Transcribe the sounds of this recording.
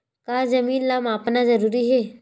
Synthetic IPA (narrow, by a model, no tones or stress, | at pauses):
kaːzɐmiːnlaːmaːpnazɐɾuːɾiɦɛː